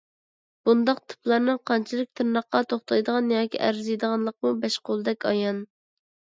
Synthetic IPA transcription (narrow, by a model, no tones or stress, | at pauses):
b̥und̪ɑqt̪ʰɨ̥pʰlˠɑɾnɨŋqʰɑnt͡ʃʰilˠɨk̚ʲt̪ʰɨɾnɑχqɑt̪ʰoχt̪ʰɑjd̪əʁɑnjɑːkʲiʔæ̰ɾzijd̪əʁɑnlˠəq̚mubɛʃqolˠɨd̪ɛkʲʰɑjɑn